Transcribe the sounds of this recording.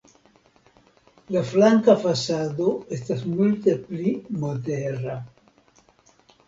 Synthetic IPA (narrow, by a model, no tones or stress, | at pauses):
laflaŋkafasad̪oest̪asmult̪eplimod̪eɾa